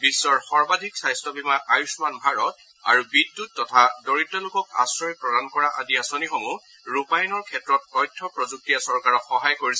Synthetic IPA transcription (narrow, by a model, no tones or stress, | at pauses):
bisːɔɹxɔɹbadʱiksajstɔbimaʔajusmanbʱaɹɔt̚ | a̰ɹubidːut̚tːɔtʰadoɹitːɔlʊkɔka̰sɹɔjpɹɔdankɔɹaʔadiasɔnixomu | ɹupajnɔɹkʰɛtɹɔt̚ɔjtʰːɔpɹɔzuk̚tijasɔɹkaɹɔkxɔɦajkoɹisɛ